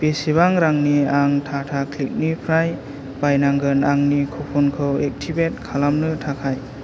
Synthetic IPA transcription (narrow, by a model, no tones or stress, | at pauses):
pesiβaŋɾaŋniaŋtʰatʰakʰlik̚nipʰɾaj | bajnaŋɡɯnaŋnikʰɔpʰɔnkʰɯwek̚tʰibet̚kʰalamnɯtʰakʰaj